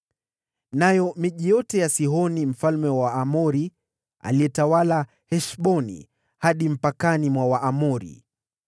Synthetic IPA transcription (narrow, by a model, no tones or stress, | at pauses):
najɔmiʄijɔtɛjasiɦɔnim̩falmɛwaːmɔɾi | a̰liɛtawala | hɛʃɓɔnḭ | haɗim̩pakanimwawaʔamɔɾḭ